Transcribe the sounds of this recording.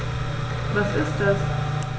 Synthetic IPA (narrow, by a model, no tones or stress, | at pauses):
vasɪst̚das